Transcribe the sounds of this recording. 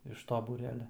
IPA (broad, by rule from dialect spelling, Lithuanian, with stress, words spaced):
ɪʃ toː buːˈrʲæːlʲɛ